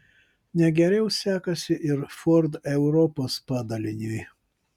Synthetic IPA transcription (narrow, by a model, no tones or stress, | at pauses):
nʲɛɡʲɛɾʲɛʊsʲæːkɐsʲɪʔɪɾfɔɾd̪ɛʊɾɔpoːspɑːd̪ɐlʲɪnʲʊj